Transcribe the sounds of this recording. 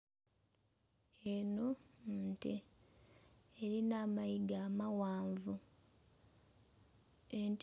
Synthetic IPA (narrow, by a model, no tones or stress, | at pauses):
eno̞nte | ɾinaːmajiɡaːmawaːɱvu | ent